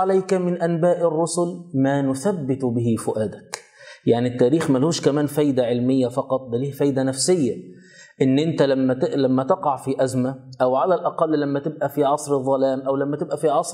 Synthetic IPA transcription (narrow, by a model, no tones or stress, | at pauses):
alajkamɪnʔænbaːʔɪrːʊsʊlmæːnʊθæbːɪt̪bɪɦifʊʔæːd̪ak | jaʕnit̪ːæːɾiːxmælhuːʃkæmæːnfæːjd̪æʕɪlmɪjːæfɑqɑt̪ˤd̪æliːhfæːjd̪ænæfsɪjːæ | ʔɪnːʔɪnt̪ælæmːælæmːæt̪ɑqɑʕfiʔæzmaʔæwʕalælʔɑqɑlːlæmːæt̪ɪb̚ʔæfiʕɑsˤɾðˤːɑlæːmʔæwlæmːæt̪ɪbʔæfiʕɑsˤɾ